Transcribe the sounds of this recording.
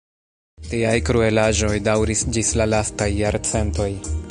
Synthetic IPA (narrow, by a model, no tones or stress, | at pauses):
tiajkɾue̞laʒo̞jdawɾisd͡ʒislalastajːaɾt͡se̞nto̞j